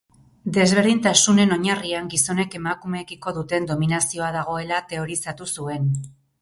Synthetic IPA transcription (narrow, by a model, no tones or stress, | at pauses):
d̪e̞zβ̞e̞ɾðint̪asune̞no̞ɲariaŋɡiso̞ne̞ke̞makume̞ːɣiko̞ðut̪e̞nd̪o̞minasio̞aðaɣ̞o̞e̞lat̪e̞o̞ɾisat̪usue̞n